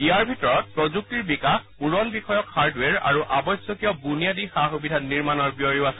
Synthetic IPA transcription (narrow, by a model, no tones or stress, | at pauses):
iaɹbʱitɔɹɔt̚pɹɔzuk̚tiɹbikaxpuɹɔnbixɔjɔkhaɹdwɛɹa̰ɹuʔabɔjsjɔkijɔbunijadixaxubidʱaniɹmanɔɹbiɔɹiʊasɛ